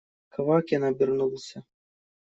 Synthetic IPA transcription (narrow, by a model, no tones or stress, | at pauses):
kɐvakjanabʲirnulˠsʲɐ